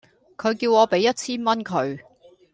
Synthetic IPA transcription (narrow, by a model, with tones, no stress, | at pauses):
kʰɵ˨˧ɥkiː˧wŋɔː˨˧pe˨˥jːɐ˥t̚t͡sʰiː˥nmɐ˥nkʰɵ˨˧ɥ